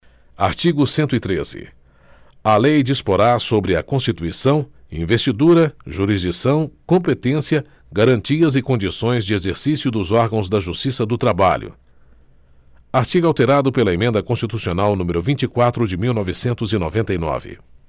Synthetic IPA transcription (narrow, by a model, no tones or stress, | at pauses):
aɾt͡ʃiɡʊsẽnt̪ʊit̪ɾez̥ɪ̰ | ɐlejd͡ʒispoɾasobɾɪɐkõst͡ʃit̪uisɐ̃w̃ | ḭ̃vest͡ʃid̪uɾɐʒuɾizd͡ʒisɐ̃w̃kõpet̪ẽsiɐ | ɡaɾɐ̃nt͡ʃiɐzɪkõd͡ʒisõj̃zd͡ʒɪezeɾsisjʊd̪ʊzɔɾɡɐ̃w̃zd̪ɐʒust͡ʃisɐd̪ʊt̪ɾaba̰ʎʊ̰ | aɾt͡ʃiɡawt̪eɾad̪ʊpelɐemẽnd̪ɐkõst͡ʃit̪usionawnũmɪɾʊvĩnt͡ʃikwat̪ɾʊd͡ʒɪmiwnɔvɪsẽnt̪ʊzɪno̰vẽnt̪ɐjnɔ̰vɪ̰